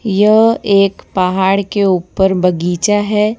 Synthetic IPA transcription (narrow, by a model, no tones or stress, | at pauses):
jɐɦeːkpaɦaːɽkeuːpəɾbɐɡiːt͡ʃaɦɛː